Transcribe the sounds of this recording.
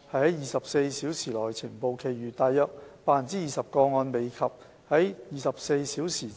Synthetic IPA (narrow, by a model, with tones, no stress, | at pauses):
hɐ˨jhɐ˨˥jjiː˨˧sɐ˨p̚se˧jsiː˨˥wsʰiː˨˩lɔː˨˩jt͡sʰiː˨˩npo˨wkʰe˨˩jyː˨˩t̪aː˨jːɐ˧t̚paː˨˧nt͡siː˥jiː˨˩sɐ˨p̚kɔː˧ŋɔː˧nme˨jkʰɐ˨p̚ | hɐ˨˥jjiː˨˧sɐ˨p̚se˧jsiː˨˥wsʰiː˨˩